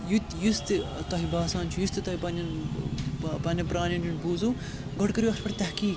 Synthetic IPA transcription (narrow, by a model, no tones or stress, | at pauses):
jut̪just̪t̪ɐɦibaːsaːnt͡ʃʰujust̪ɨt̪ɐɦipɐnɐn | pɐnʲɐpɾaːnɐnjunbuːzu | ɡɔɽkɐɾiɐxʰpɐʈt̪ɐhkiːk